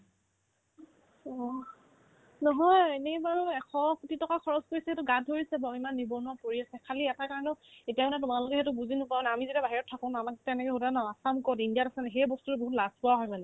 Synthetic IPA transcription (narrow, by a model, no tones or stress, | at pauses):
ɔ | nɔɦɔjenɛbaɹuɛxʰɔkutitɔkakʰɔɹɔzkoɹisɛɛtʊɡad̚ʱoɹisɛbɔimanːibɔnapoɹiasɛkʰaliɛtakaɹɔnɔetijaɔnɛtʊmalʊkɛɦɛtʊbuzinʊpabnamizetiabaɦiɹɔtʰːakɔ̃ʊ̃namaktɛnɛkɛɦodanaasamkɔtindiatasɛnɛxejbɔstutɛboɦutlazpɔaɦɔjpalɛ